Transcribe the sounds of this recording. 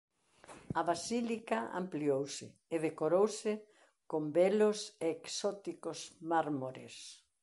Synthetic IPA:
aβasilikaa̰mpliowsɪ̰ːðekoɾowsɪ | kombelʊseːksɔt̪ikʊsmaɾmoɾḛs

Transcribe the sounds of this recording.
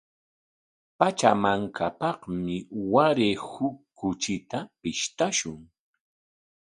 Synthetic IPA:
pat͡ʃamaŋkʰapɑχmɪwaɾehʊkːʊt͡ʃɪt̪apɪʃt̪aʃʊŋ

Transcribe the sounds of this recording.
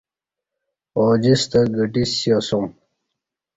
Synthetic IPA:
oːd͡ʑist̪ɐɡəʈisjosom

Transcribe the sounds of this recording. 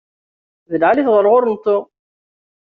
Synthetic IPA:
vəlʕaliθʁəɾˤʁʊɾˤnt̪ːo

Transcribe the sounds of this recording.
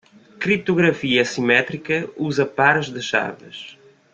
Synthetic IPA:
kɾip̚t̪uɣɾɐfiɐsimɛt̪ɾikɐuzɐpaɾʒðɨʃa̰ɾvɨ̰ʃ

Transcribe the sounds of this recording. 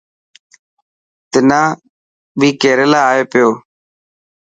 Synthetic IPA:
t̪ɪnãː | bʱiːkeːɾelaːaːeːpɪjoː

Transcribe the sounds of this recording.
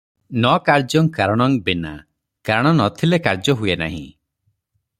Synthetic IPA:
nɔkaɾd͡ʒɔŋkaɾɔɽ̃ɔŋbena̰ | kaɾɔɽ̃ɔnɔt̪ʰilekaɾd͡ʒɔɦuena̰ɦḭ̃

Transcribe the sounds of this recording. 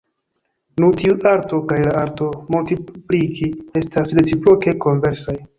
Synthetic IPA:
nutiuʔaɾto̞kajlaaɾto̞multiplikʰie̞stasɾe̞t͡sipɾo̞ke̞koɱve̞ɾsaj

